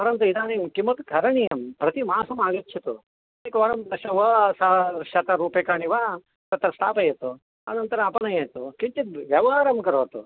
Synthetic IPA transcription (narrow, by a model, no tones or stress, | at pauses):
pɐɾɐnt̪uid̪aːnimkimɐt̪kʰɐɾɐɳijɐmpɾɐt̪imaːsɐmaːɡɐt͡ʃʰɐt̪u | ɐt̪ikʋɐɾɐmd̪ɐʃɐʋɐsaːʃɐt̪ɐɾuːpekaːniʋaː | t̪ɐt̪ːɐɾɐsʈ̪a̰ːpɐjɐt̪u | ɐ̰nɐnt̪ɐɾɐɐpɐnɐjɐːjt̪ukiɲt͡ʃit̪ʋjɐʋɐɦaːɾɐmkɐɾoːt̪ṵ